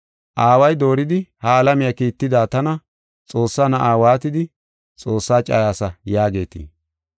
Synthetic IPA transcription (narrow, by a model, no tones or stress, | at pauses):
ʔaːwɐjd̪o̞ːɾɪd̪ɪhaɐlɐmɪjɐkiːt̪ːɪd̪aːt̪ɐnɐ | t͡sʼo̞ːsːaːnɐʔaːwaːt̪ɪd̪ɪ | t͡sʼo̞ːsːaːt͡ʃʼa̰ːjaːsɐjaːɡe̞ːt̪ɪ̰ː